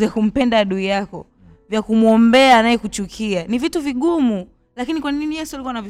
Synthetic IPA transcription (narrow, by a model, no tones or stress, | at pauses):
akum̩pɛndaːɗuijakɔ̰ | vjakumuɔmbɛaːnajɛkut͡ʃukʰianivituviɠumu | lakinikwaninijɛsialikuwanav